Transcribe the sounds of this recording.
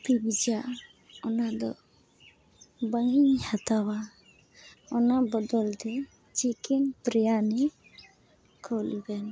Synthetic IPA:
pibid͡ʒa | ɔnad̪ɔ̰ | bəŋiɲhat̪awa | ɔnabɔd̪ɔlt̪ɛ | t͡ʃikɛnpɾɛjanɛ | kʰɔluɡɛn

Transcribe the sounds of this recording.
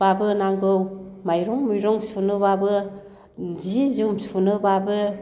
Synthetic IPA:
abɯnaŋɡɯwmajɾɔŋmujɾɔŋsunɯβabɯ | zizumsunɯbabɯ

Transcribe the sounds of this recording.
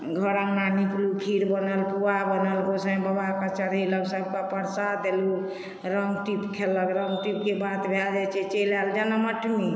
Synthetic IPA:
ɡʱəɾaŋnaniklukʰiɾbənəlpuabənəlɡosə̃bəbakət͡ʃəɾiləksəb̚kapəɾsad̪elu | ɾəŋɡʈipkʰelːəkɾəŋɡʈip̚kebat̪bʱald͡ʒat͡ʃɛt͡ʃelald͡ʒanaməʈʰmi

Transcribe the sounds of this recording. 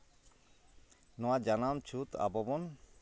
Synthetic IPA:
nɔwad͡ʒanamt͡ʃʰut̪a̰bɔbɔn

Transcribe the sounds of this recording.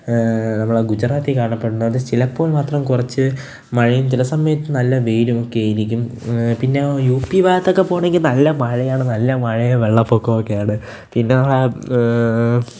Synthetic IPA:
nɐmːɐɭeɡud͡ʑraːt̪ːikaːɳɐpːeɽunːɐɐðɨt͡ɕilɐpːoːlmaːt̪rɐmkurɐt͡ɕːɨ | mɐɻijumt͡ɕilɐsɐmːɐjɐt̪ːɨnɐlːɐʋeːɾumo̞kːejaːjiɾikʲːumpinːe̞juːpːiʋaːjt̪ːo̞kːe̞po̞ːɳe̞ŋɡilnɐlːɐmɐɻɐjaːɳɨnɐlːɐmɐɻɐjɐʋeɭːɐpːo̞ːkːɐmokːejaːɳɨ | pinːenɐmːɐɭe

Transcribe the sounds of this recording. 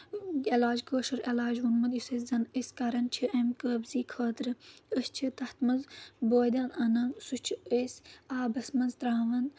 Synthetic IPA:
elaːd͡ʒkəːʃɐɾelaːd͡ʒwunmɐd̪juseszɐnəsʲkɐɾɐnt͡ʃʰiʔɐmkəːbziːkʰəːt̪ɾɨəst͡ʃʰit̪ɐht̪mɐnzboːd̪ɐnɐnɐmsut͡ʃʰiəsaːbɐsmɐnzt̪ɾaːʋɐn

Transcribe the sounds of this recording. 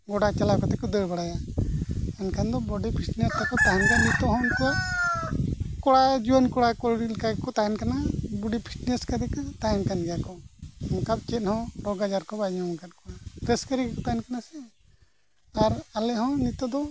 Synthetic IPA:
ɡɔɽat͡ʃalakɔt̪ɛkɔd̪əɾbaɽaja | ɛnkʰand̪ɔbɔɖipʰiʈnest̪ɛkɔt̪aɦɛnkanit̪ɔɦɔ̃nkɔaʔ | kɔɽad͡ʒiwənkɔɽakɔlɽilkakɔt̪aɦɛnkanabuɖipʰiʈneskat̪ɛkt̪ajmkanɡɛjakɔmɔkab̚t͡ʃɛt̪̚ˀhɔ̃ɾɔɡad͡ʒaɾkɔbaɲɔmkat̪̚kɔnapɾɛskəɾikɔt̪ajnkanasɛ | aɾalɛɦɔ̃nit̪ɔd̪ɔ

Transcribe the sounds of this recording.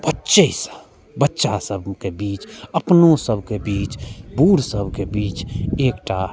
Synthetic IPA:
bətːʃeisə | bətːʃasəbkebiːt͡ʃəpnosəbʱkebiːt͡ʃbuːɾsəbʱkebiːt͡ʃeːkʈa

